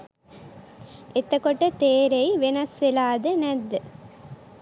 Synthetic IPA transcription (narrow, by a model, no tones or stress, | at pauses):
et̪əkoʈət̪eːɾejʋenɐsʋelaːd̪ənæd̪ːə